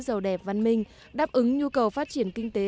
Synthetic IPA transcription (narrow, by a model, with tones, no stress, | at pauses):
zə˨˩wɗɛ˨˩p̚va˧˩nmï˧˩ŋ̟ | ɗaː˦˥p̚ʔɨ˨˦ŋɲu˧kə˨˩wfaː˦˥t̚t͡ɕi˧˩ənkï˧ŋ̟t̪e˨˦